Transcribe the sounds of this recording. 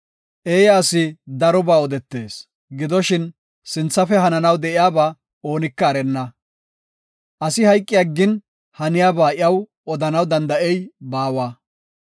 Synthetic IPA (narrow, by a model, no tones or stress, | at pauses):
ʔeːjaːsɪd̪ɐɾɔbaːɔd̪ɛt̪ːe̞̰ːs | ɡɪd̪ɔʃɪn | sɪnt͡sːɐfɛhɐnɐnɐwd̪ɛʔɪjaːbaː | o̞ːnɪkːɐːɾɛnːɐ | ʔɐsɪhɐjkʼːɪjaɡːɪn | hɐnɪjaːbaːʔɪɐw | ɔd̪ɐnɐwd̪ɐnd̪ɐʔɛjbaːwaː